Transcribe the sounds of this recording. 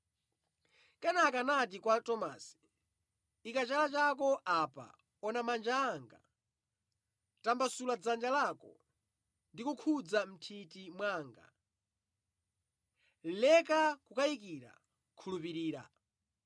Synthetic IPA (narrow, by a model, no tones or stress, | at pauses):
kanakanat̬ikwatɔmasi̥ | ikat͡ʃalat͡ʃakɔʔapa̰ | ɔnamand͡ʒaːŋɡa̰ | tambasulad͡zand͡ʒalakɔ̰ | ndikukʰud͡zam̩tʰitimwaːŋɡa̰ | lɛkakukaikiɾa̰ | kʰulupiɾiːɾa̰